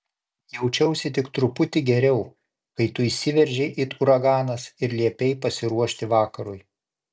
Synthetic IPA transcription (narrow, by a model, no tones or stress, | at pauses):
jɛʊt͡ʃʲɛʊsʲɪt̪ʲɪkt̪ɾʊpʊt̪ʲɪɡʲɛɾʲɛʊ | kɐɪt̪ʊisʲɪʋʲɛɾʲʒʲɛʔɪt̪ʊɾɐɡɑːnɐsɪɾlʲiɛpʲɛɪpɐsʲɪɾuɔʃʲt̪ʲɪʋɑːkɐɾʊj